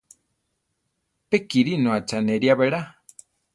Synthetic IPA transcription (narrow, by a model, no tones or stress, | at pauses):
pekiɾinõat͡ʃaneɾiaβeɾa